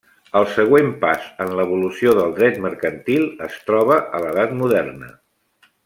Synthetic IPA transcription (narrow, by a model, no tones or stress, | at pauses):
əlˠsəɣwempasənləβulusioðəlˠd̪ɾɛt̪məɾkənt̪ilˠəst̪ɾɔβ̞əʔələðat̪muðɛrnə̰